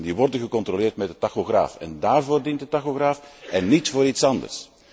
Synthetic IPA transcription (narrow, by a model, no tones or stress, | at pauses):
ndiʋɔrdənɣəkɔntrolɪːrtmɛdətaxoɣra̰ːfɛ̰ndaːrvoːrdintdətaxoɣraːfɛnːitfoːɾitsɑndə̰rs